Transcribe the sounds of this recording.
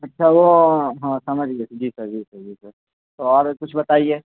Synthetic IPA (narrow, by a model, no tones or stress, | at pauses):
ɐtːʃʰaʋoɦãsɐməd͡ʒʱɡed͡ʒiːsəɾd͡ʒiːsəɾd͡ʒiːsəɾ | t̪oɔːɾkʊt͡ʃʰbɐt̪aːieː